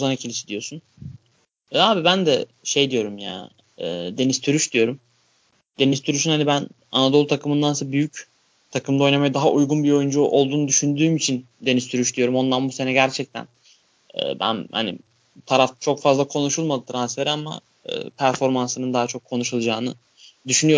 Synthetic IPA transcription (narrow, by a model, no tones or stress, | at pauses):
uzanacʰilʲiʃid̪ijo̞sun | aːbibænd̪ɛ | ʃe̞jd̪ijo̞ɾumja̰ːnː | d̪e̞nist̪ʰyɾyʃd̪ijo̞ɾum | d̪̥e̞nizt̪ʰyɾyʃynhanibæn | a̰nad̪o̞lˠt̪ʰakʰɯmɯnd̪ansabyjyc | t̪ʰakɯmd̪ao̞jnamajɯd̪aɦaʔujɡunbio̞jynd͡ʒuʔo̞lˠd̪uːnud̪yʃynd̪yːmit͡ʃʰind̪e̞nizt̪ʰyɾyʃd̪ijo̞ɾumo̞nd̪anbuse̞nɛɟæɾt͡ʃʰɛc̚t̪ʰæ̰n | ɛ̰ːbæ̰nha̰nḭ | t̪ʰaɾaft̪t͡ʃʰo̞kfazlˠakʰo̞nuʃulˠmad̪ɯt̪ʰɾansfe̞ɾiama̰ | ɯ̰ːpʰæɾfo̞ɾmansɯnɯnd̪aɦat͡ʃʰo̞kʰːo̞nuʃulˠd͡ʒaːnɯ | d̪yʃynyjo